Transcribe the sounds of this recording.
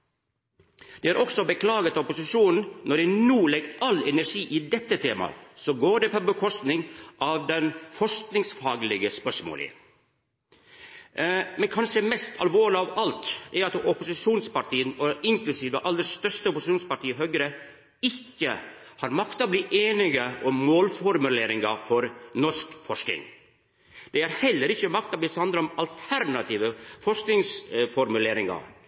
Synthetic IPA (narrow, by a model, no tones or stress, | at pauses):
d̪̥ɛæɾʔɔksɔbəkʰlɑːɡət̪ɑɔpʊsɪʂuːnn̩nɔɖɛnuːlɛɡʔɑlɛnæʂiːʔɪd̪ɛt̪ːət̪ʰeːmɑ̰sɔɡoːɖɛpʰɔbəkʰɔst̪nɪŋʔɑʋd̪ɛnfɔʂknɪŋsfɑːɡlɪɡəspœʂmo̰ːlɪ̰ | mɛnkʰɑnʂəmɛst̪ʰɑ̰lʋoːɭɪɑʋɑlt̪ɛɾɑt̪ɔpʊsɪʂuːnspɑʈiːənɔʔɪŋklʉsiːʋəʔɑlːəɾst̪œʂt̪əɔpʊsɪ̥ʃuːnspɑʈiːəɦœɡɾə | ɪçːə | hɑːɾmɑkt̪ɑbliːʔeːnɪɡəʔɔmmoːlfɔɾmʉleːɾɪŋɑfɔɾnɔʂkfɔʂknɪ̰ŋ | d̪̥ɛæɾhɛlːəɾɪçːəmɑk̚t̪ɑbliːshɑnd̪ɾəɾɔmɑlt̪ʰæɾnɑt̪ʰiːʋəfɔʂknɪŋsfɔɾmʉleːɾɪŋɑ̰